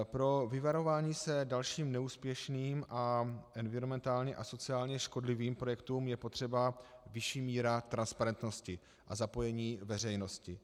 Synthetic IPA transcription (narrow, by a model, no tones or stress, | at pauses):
pɾo̞vɪvaɾo̞vaːɲiːsɛdalʃiːmnɛuːspjɛʃniːmʔaʔɛnvɪɾomɛnt̪aːlɲɛʔaso̞t͡sɪaːlɲɛʃko̞dlɪviːmpɾo̞jɛkt̪uːmjɛpo̞t̪r̝̥ɛbavɪʃiːmiːɾat̪ɾanspaɾɛnt̪no̞scɪ | ʔazapo̞jɛɲiːvɛrɛjno̞scɪ